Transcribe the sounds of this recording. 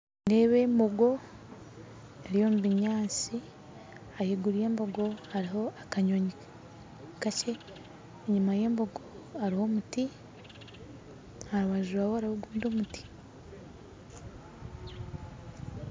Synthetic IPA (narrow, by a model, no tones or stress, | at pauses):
neβe̞mboɡo̞ | eɾijo̞muβiɲaːt͡si | ajeɡuɾije̞ːmboɡo̞haɾiɦo̞akaɲoɲik | kat͡ʃeː | ɲumaje̞ːmboɡoaɾiho̞muti | haɾuβaʒuɾawohaɾihoɡuːndomuti̥